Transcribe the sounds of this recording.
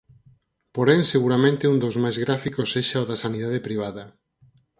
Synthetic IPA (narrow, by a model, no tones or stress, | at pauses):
poɾɛŋseɣuɾamẽnt̪ɪund̪owzmajzɣɾafikosːeʃaoðɐsaniðað̞epɾiβ̞aðɐ